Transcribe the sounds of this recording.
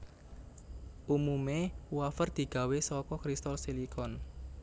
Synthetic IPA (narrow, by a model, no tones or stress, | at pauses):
ʔumumewafərd̪̥i̤ɡ̥ä̤wesɔkɔkɾist̪ɔlsilikɔn